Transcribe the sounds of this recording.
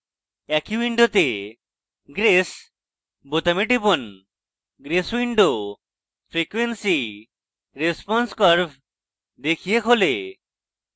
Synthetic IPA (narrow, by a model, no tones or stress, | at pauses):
ɛkiwiɳɖot̪e | ɡɾes | bot̪amiʈipon | ɡɾeswiɳɖo | fʰɾikwensi | ɾespɔnskɔɾb | d̪ekʰijekʰole